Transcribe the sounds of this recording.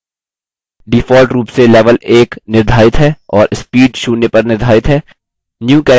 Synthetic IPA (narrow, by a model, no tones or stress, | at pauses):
ɖɪfɔːlʈɾuːpselɛːʋəleːknɪɾd̪ʱaːɪt̪ɦɛːɔːɾʔɪspiːɖʃuːnepɐɾnɪɾd̪ʱaːɪt̪ɦɛː | njuːkɛː